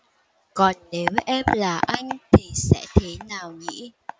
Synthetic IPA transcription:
kɔ˨˩nne˨˦wʔɛ˧mlaː˨˩ʔa˧jŋ̟t̪ʰi˨˩sɛ̰˧˥t̪ʰe˨˦naː˨˩wŋḭ˧˥

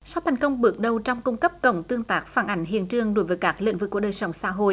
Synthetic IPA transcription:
sa˧wt̪ʰɛ˨˩jŋkə˧wŋ͡mɓɨ˨˦k̚ɗə˨˩wt͡ɕɔ˧wŋ͡mku˧ŋ͡mkə˦˥p̚kə˧˩wŋ͡mt̪ɨ˧əŋt̪aː˦˥k̚faː˧˩nʔa˨˩jŋ̟ɦḭ˧˨ənt͡ɕɨ˨˧˩əŋɗo˧˦jvəː˨˦jkaː˦˥k̚lḭ˧˨ŋvɨ̰˧˩˨kːu˧˩əɗəː˨˩jsə˨˧˦wŋ͡msa̰ː˧˥ɦo̰˧˨ʔ

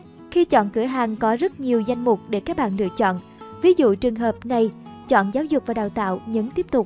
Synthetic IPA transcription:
xi˧t͡ɕɔ̰˧˨nkɨ˧˩əɦaː˨˩ŋkɔ˨˦zə˦˥t̚ɲi˨˩əwza˧jŋ̟mʊ˨˩k͡p̚ɗe˧˩kaː˦˥k̚ɓa̰ː˧˨nɗɨ˨˩ək̚t͡ɕɔ̰˧˨n | vi˨˦zṵ˧˨t͡ɕɨ˨˩əŋɦəː˨˩p̚na˨˩jt͡ɕɔ̰˧˨nzaː˨˦wzʊ˨˩k͡p̚vaː˨˩ɗaː˨˩wt̪a̰ː˧˨wɲɨ̰˧˥ŋt̪i˦˥əp̚t̪ʊ˨˩k͡p̚

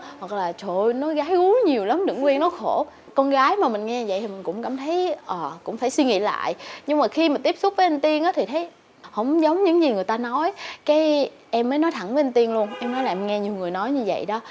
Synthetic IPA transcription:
hwa˨˩k̚laː˨˩t͡ɕo˧˨nɔ˨˦ɣaː˨˦jɣu˨˦ɲi˨˩əwla˨˦mɗɨ̰˧˩˥ŋkwi˧ənɔ˨˦xo˧˩ | kɔ˧nɣaː˨˦jmaː˨˩mï˨˩ŋ̟ŋɛ˧ɲ˧və̰˧˨j̪ʰi˨˩ï̟˨˩kʊ̰˧˥ŋ͡mkaː˧˩mt̪ʰə˨˦jʔəː˨˩kʊ̰˧˥ŋ͡mfaː˧˩jswi˧ŋḭ˧˨la̰ː˧˨jɲɨ˧ŋ͡mmaː˨˩xi˧miː˨˩t̪i˦˥əpsʊ˦˥k͡p̚vəː˨˦ʔə˧nt̪i˧ənʔaː˨˦t̪ʰi˨˩ə˨˦j | hə̰˧˥wŋ͡mzə˨˦wŋ͡mɲɨ̰˧˥ŋzi˨˩ŋɨ˨˩əjt̪aː˧nɔ˨˦jkaː˨˦j | ʔɛ˧mːəː˨˦jnɔ˨˦jt̪ʰa˧˩ŋvə˨˦ʔə˧nt̪i˧ənlu˧ənʔɛ˧mnɔ˨˦jlaː˨˩mŋɛ˧ɲi˨˩wŋɨ˨˩jnɔ˨˦jɲɨ˧və̰˧˨jɗɔ˨˦

